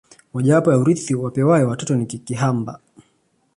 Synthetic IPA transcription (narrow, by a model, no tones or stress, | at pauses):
waʄaapɔjauɾiθiwapɛwajɛwatɔtɔnikikiɦamba̰